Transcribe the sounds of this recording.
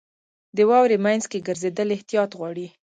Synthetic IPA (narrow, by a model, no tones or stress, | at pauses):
d̪əwɑwɾemajnzkeɡəɾzed̪əlɪht̪ijɑt̪ɣwɑɽi